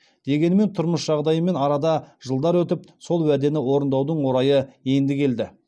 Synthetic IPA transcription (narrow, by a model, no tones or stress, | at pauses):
d̪̥e̞ɡʲe̞nɪme̞nt̪ʰʊɾməsʒ̥ɑʁd̪ɑjəme̞nɑɾɑd̪ɑʒəlˠd̪ɑɾwɵt̪ɪpso̞lˠwæd̪e̞nɪwo̞ɾənd̪ɑwd̪əɴwo̞ɾɑjəje̞nd̪ɪkʲʰe̞ld̪ɪ